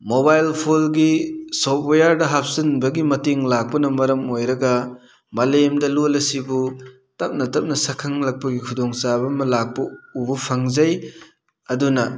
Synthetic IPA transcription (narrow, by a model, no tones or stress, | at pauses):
mobajlpʰolɡisop̚ojaɾdɐɦap̚sɐnbɐɡimɐteŋlak̚pɐnɐmɐɾɐmojɾɐɡɐ | mɐlemdɐlolɐsibu | tɐp̚nɐtɐp̚nɐsɐkʰɐŋlɐk̚pɐɡikʰudɔŋsabɐmɐlak̚pɐubupʰɐŋzɐj | ɐdunɐ